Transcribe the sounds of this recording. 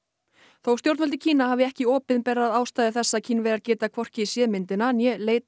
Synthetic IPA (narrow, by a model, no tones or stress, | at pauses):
θowst̪jowɾt̪mɛlt̪ɪ̥cʰiːnahaːvɪɛhcɪɔːpɪðnpɛɾːaaðaːwst̪aːjðɪθɛsːacʰinvɛɾaɾcɛːt̪akʰvɔr̥cɪisjɛːðmɪnt̪ɪnanjɛleːjt̪